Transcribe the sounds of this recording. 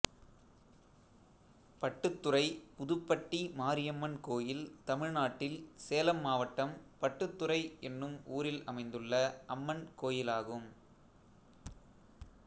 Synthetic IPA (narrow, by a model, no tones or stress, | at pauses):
pɐʈːɯt̪ːɯrɐɪpʊðʊpːɐʈːimaːɾɪjɐmːɐnkoːjɪlt̪ɐmɪɻnaːʈːɪlseːlɐmːaːʋɐʈːɐmpɐʈːɯt̪ːɯrɐɪɛnːɯmuːɾɪlɐ̰mɐɪnd̪ɯɭːɐɐmːɐnkoːjɪlaːɣɯm